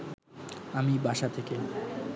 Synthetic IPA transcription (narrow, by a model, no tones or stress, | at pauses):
amibaʃat̪ʰeke